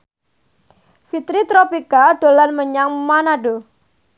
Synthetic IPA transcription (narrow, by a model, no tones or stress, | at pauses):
fit̪ɾit̪ɾopikaɖolanməɲaŋmanaɖo